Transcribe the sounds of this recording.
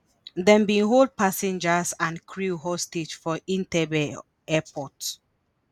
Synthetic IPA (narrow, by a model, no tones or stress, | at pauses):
dɛ̃mbĩnɦold̚pasɛ̃nd͡ʒasãnkʰɹuɦɔsted͡ʒfɔĩntɛbɛ | ɛpʰɔt